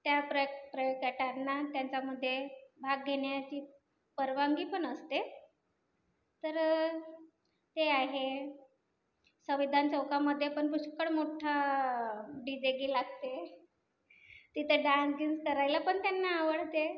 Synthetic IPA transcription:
t̪japɾəpɾəjokəʈanːat̪jaɲt͡ɕaməd̪ʱːjebʱaɡɡʱeɳjat͡ɕiː | pəɾʋaŋɡiːpəɳəst̪e | t̪əɾ | t̪eaɦe | səʋid̪ʱant͡səwkaməd̪ʱːjepəɳpuɕkəɽmoʈʰa | ɖid͡ʑeɡiːlaɡ̚t̪e | t̪it̪ʰeɖãnsɡiŋskəɾajlapəɳt̪janːaːʋəɽ̤t̪e

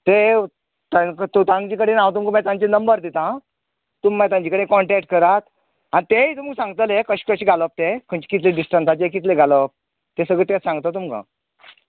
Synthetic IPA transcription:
t̪e | t̪ãt̪ut̪ãŋɡt͡ɕikəɽenat̪umkamãt̪ãɲt͡ɕenəmbəɾd̪it̪ã | t̪umːɛt̪ãɲt͡ɕikəɽẽkɔɳʈɛk̚ʈ̚kəɾat̪ | anit̪eit̪uməɡsãŋɡt̪əlekəɕi̥ːkəɕiːɡʱaləp̚t̪ekʰəɳt͡ɕi̥kit̪leɖisʈənsat͡ɕekit̪leɡʱaləp̚ | t̪esəɡɭet̪esãŋɡt̪at̪umka̰

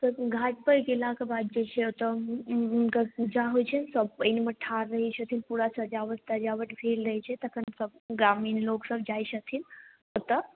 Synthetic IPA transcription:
t̪əɡʱaʈ̚pəɾɡelakabad̪̚d͡ʒet͡ʃʰeot̪əunkəud͡ʒaɦojt͡ʃʰensəb̚pəiniməʈʰaɾːəɦit͡ʃʰɐt̪ʰinpuɽasəd͡ʒaʋəst̪ad͡ʒaʋəʈfʰelɾəɦjt͡ʃʰet̪ɐkʰənsəb̚ɡɾamiːnloksəbd͡ʒajɕət̪ʰiːnɦot̪ə

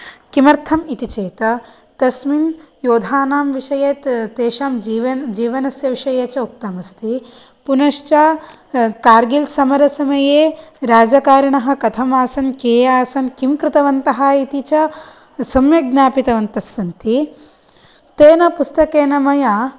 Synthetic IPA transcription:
kimɐɾt̪ʰɐmit̪it͡ʃeːt̪ɐ | t̪ɐsminjoːd̪ʱaːnaːmʋiʂɐjeːt̪eːʃaːmiʋɐd͡ʒiːʋɐnɐsjɐʋiʂɐjeːt͡ʃɐuk̚t̪ɐmɐst̪i | punɐʂt͡ʃaː | kaːɾɡilsɐmɐɾɐsɐmɐjeːɾaːd͡ʒɐkaːɾɐɳɐɦɐ̆kɐt̪ʰɐmaːsɐnkeːjaːsɐnkimkɾɪt̪ɐʋɐnt̪ɐɦaːit̪it͡ʃɐ | sɐmjɐɡnaːpit̪ɐʋɐnt̪ɐsːɐnt̪i | t̪eːnɐpust̪ɐkeːnɐmɐjaː

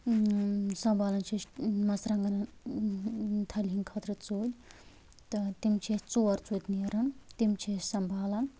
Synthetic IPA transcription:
sɐmbʱaːlɐnt͡ʃʰimɐsɾɐŋɡɐnɐ | t̪ʰɐlʲɦiŋkʰɐt̪ʰɾɨt͡soːlʲ | t̪ɐt̪imt͡ʃʰit͡soːɐɾt͡soːt̪ʲniɐɾɐnt̪imt͡ʃʰesɐmbʱaːlɐn

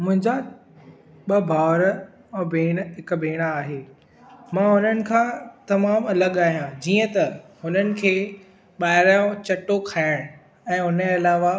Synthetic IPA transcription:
mʊ̃ɦɪ̃ɲd͡ʑa | ɓɐbʱaːʋɾə̃ | beːɽ̃ɦɪkbʱeːɽ̃aːɦeː | mãɦʊnənɪ̆kʰãːt̪ɐmaːmɐləɠaːɦijãd͡ʑiːə̃t̪ɐhʊnənɪ̆kʰeː | ɓaːɦɪɾaːjõt͡ɕɐʈokʰaːɪɽ̃ | ɛ̃ːʊnɐlaːʋa

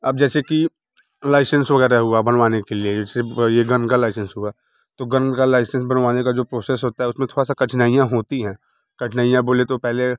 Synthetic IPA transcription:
ɐb̚d͡ʒɛːseki | laːɪsə̃nsʋɐɣɛːɾaɦʊabɐnʋaːnekelied͡ʒɛːsejeɡənkalaːɪsə̃nsɦʊa | t̪oɡənkalaːɪsə̃nsbənʋaːnekad͡ʒoːpɾoːsesɦoːt̪aɦɛʊsmẽt̪ʰoːɾasakɐʈʰnaːijãɦoːt̪iɦɛ̃ː | kɐʈʰnaːijãboːlet̪opɛɦle

